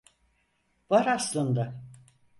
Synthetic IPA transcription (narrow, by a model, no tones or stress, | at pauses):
vaɾaslˠɯnd̪ɯ